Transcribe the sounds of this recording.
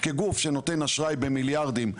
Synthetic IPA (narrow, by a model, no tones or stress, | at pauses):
keɡufʃe̞no̞t̪e̞naʃʁajbemiljaʁd̪im